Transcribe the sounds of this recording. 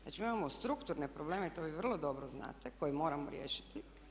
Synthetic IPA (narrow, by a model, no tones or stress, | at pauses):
zna̰t͡ʃimimamost̪ɾukt̪uɾnepɾobleːmeit̪oʋiʋr̩lˠo̞d̪o̞bɾozna̰ːt̪eko̞jimo̞ːɾamo̰ɾjḛːʃi̥t̪i